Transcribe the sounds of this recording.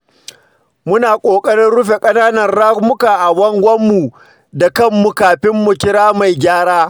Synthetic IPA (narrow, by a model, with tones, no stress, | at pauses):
mʊ˦naː˨kʷʼoː˨kʼɐ˦ɽɪ˦nɽʊ˦ɸe˨kʼɐ˦naː˦nɐ˨nɽa˦kmʊ˦ka˨ʔa˨wɐ˦ŋɡʷɐ˦mːu˨ | da˨kɐ˦˨mːu˨kaː˨ɸɪ˦mːʊ˨kʲɪ˦ɾaː˦ma˨jɡʲaː˦ɽaː˦